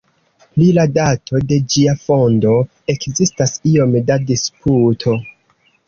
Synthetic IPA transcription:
liladatʰo̞de̞d͡ʒiafo̞ndo̞ | e̞kzistasio̞mdadisputʰo̞

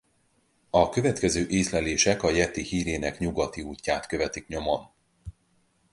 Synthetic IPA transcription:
ɒkø̞vɛt̪kɛzøːʔeːslɛleːʃɛkɒjɛt̪ihiːɾeːnɛkɲuɡɒt̪iuːcːaːt̪kø̞vɛt̪ikɲo̞mɒn

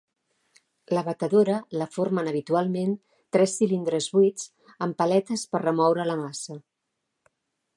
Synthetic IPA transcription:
ləβət̪əðoɾələformənəβ̞it̪ualˠmen | t̪ɾɛsːilind̪ɾəzβuit͡s | əmpəlɛt̪əspərrəmɔwɾələmasə

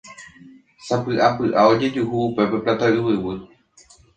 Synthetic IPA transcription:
sapɨʔapɨʔao̞d͡ʒe̞d͡ʒuhuːpe̞pe̞plat̪aʔɨwɨwɨ

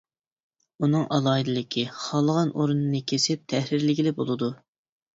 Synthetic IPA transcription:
unɨŋʔɑlˠɑid̪ɨlˠɪkʲʰiχɑlˠəʁɑnʔoɾunɨnɨkʲʰesɪp̚t̪ʰɛhɾɪɾlɪkʲilɪbolˠɨd̪u

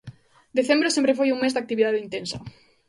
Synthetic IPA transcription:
d̪eθembɾesẽmpɾefojuŋmezd̪ak̚t̪iβiðaðeint̪ẽnsɐ

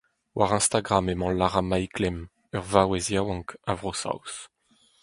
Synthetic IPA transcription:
wʔaʁɛ̃st̪aɡʁamemɑ̃laʁamajklɛm | œʁvawɛzjawɑ̃ŋkavʁosa̰ws

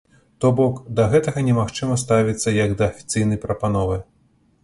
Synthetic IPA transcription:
t̪ɔbɔkd̪ɐɣɛt̪ɐɣɐnʲɛmaxt͡ʂɨmɐst̪avʲit̪sːɐjɐɡd̪ɐːfʲi̥t̪sɨjn̪ɐjpɾɐpanɔvɨ

